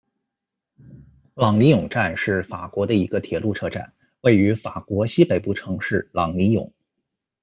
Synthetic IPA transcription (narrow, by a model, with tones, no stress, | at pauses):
lɑ˨˩ŋli˧˥jʊ˨˩ŋʈ͡ʂa˥˧nʂɻ̩˥˩fa˨˩kwɔ˧˥d̪ə˧i˧˥ɡə˧t̪ʰjɛ˨˩lu˥˧ʈ͡ʂʰɤ˥˧ʈ͡ʂa̰˥˩˦n | we˥˩ɪy˧˥fa˨˩kwɔ˧˥ɕi˥pe˨˩ɪpu˥˩ʈ͡ʂʰɤ˧˥ŋʂɻ̩˥˩lɑ˨˩ŋli˧˥jʊ̰˨˩˦ŋ